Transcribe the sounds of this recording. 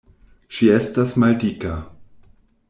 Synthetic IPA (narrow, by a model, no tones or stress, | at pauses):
ʃiestasmaldika